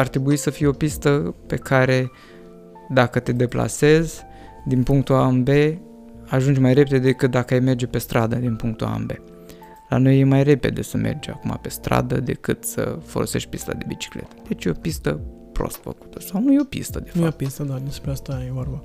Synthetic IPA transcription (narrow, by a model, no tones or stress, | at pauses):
art̪ɾe̞buisəfijeo̞pist̪əpe̞kʰaɾe̞ | d̪akət̪e̞d̪e̞pla̰se̞zʲ | d̪inpuŋk̚t̪uambe̞ | aʒund͡ʒʲmajre̞ped̪ed̪ekɨt̪̚d̪akəajme̞rd͡ʒepe̞st̪ɾad̪əd̪inpuŋk̚t̪ua̰mbe̞ | la̰no̞je̞majre̞pe̞d̪e̞səmʔe̞̰rd͡ʒa̰kuma̰pe̞st̪ɾa̰d̪əd̪e̞̰kɨt̪sə̰fo̞̰lo̞se̞ʃt̪̚ʲpist̪a̰d̪e̞bit͡ʃi̥kle̞̰t̪ə̥d̪̥e̞t͡ʃjeo̞pist̪ə | pɾo̞̰st̪fə̰ku̥t̪ʰəsawnujeo̞pḭst̪əd̪efapist̪əd̪anespɾeast̪ajeorba